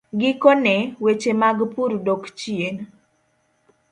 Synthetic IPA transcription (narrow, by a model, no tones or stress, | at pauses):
ɡɪkonɛwet͡ʃemaɡpuɾdokt͡ʃien